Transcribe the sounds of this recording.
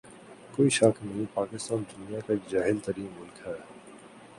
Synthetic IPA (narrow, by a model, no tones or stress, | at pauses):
koːiʃɐknɐɦĩpaːkɪst̪aːnd̪ʊnijakad͡ʒaːɦɪlt̪ɐɾiːmːʊlkɦɛː